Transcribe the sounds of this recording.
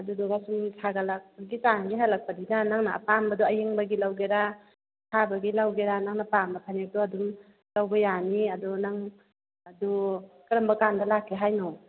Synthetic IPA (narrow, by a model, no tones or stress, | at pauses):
adudɔɡasumsʰaɡalak̚ɡit͡ʃaŋɡiɦalak̚padinanaŋnaʔːpambaduajeŋbaɡilawɡeɾa | tʰabaɡilawɡeɾanaŋnapambapʰanek̚tɔadum | lawbajaniadɔnaŋ | adɔkɐɾambɐkandalakʰːeɦajnɔ